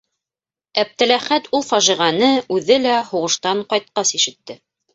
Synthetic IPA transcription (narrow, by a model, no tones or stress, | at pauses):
æp̚t̪ɘ̆læχæt̪ulˠfɑʒiʁɑnɤʉðɘlæhuʁɤ̆ʃt̪ɑɴqɑjt̪̚qɑsiʃɘ̆t̪ːɘ